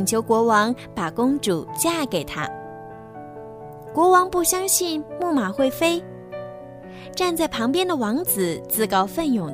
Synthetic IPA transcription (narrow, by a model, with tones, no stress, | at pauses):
ŋt͡ɕʰjo˧˥ʊkwɔ˧˥wɑ˧˥ŋpa˨˩kʊ˥ŋʈ͡ʂu˨˩t͡ɕja˥˩ke˨˩ɪt̪ʰa̰˥ | kwɔ˧˥wɑ˧˥ŋpu˥˩ɕjɑ˥ŋɕi˥˧nmu˥˩ma˨˩xwe˥˩ɪfe˥ɪ | ʈ͡ʂa˥˧nt͡sa˥˩ɪpʰɑ˧˥ŋpjɛ˥nd̪ə˨wɑ˧˥ŋt͡sɹ̩˨˩t͡sɹ̩˥˩kɑ˥ʊfə˥˧njʊ˨˩ŋ